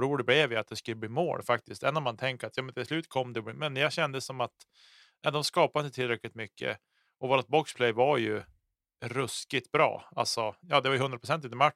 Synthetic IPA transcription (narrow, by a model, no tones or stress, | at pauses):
ɾuːɖəblɛvjɪat̪̚d̪ɛskɵlːəbliːmo̰ːlfak̚t̪ɪst̪ɛnːanmant̪ʰɛŋkəɾat̪jɑːmɛnt̪ʰɪslʉ̟ːt̪kʰɔmːd̪ɛɔbːmɛnjɑɡɕɛnd̪əsːɔmat̪ | nad̪ɔmskɑːpad̪ɪnət̪ʰɪlɾɛklɪt̪mʏkʰːə̰ | ʔɔvoːɾat̪̚bɔkspʰlɛjvaɾjɵ | ɾɵskɪt̪̚bɾɑ̰ːa̰lsɔjɑːd̪ɛvajəɦɵnd̪ɾapɾʊsɛnt̪̬ɪnəma